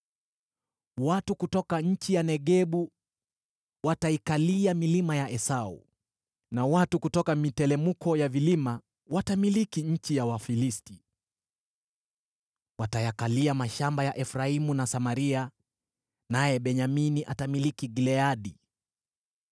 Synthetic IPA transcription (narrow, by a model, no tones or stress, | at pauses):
watukutɔkaɲ̩t͡ʃijanɛɠɛɓu | wataikaliamilimajaʔɛsaṵ | nawatukutɔkamitɛlɛmukɔjavilima | watamilikiɲ̩t͡ʃijawafilisti | watajakaliamaʃambajaʔɛfɾaimunasamaɾia | najɛɓɛɲaminiʔatamilikiɡilɛaɗi